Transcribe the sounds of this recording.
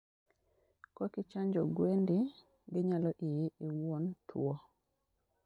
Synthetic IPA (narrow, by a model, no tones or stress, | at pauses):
kɔkɪt͡ʃaɲd͡ʒɔɡwendɪ | ɡɪɲalɔʔɪjɪɪwontʰwɔ